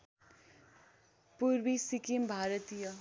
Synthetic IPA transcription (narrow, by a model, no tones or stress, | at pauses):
puɾbisikimbʱaɾət̪ijʌ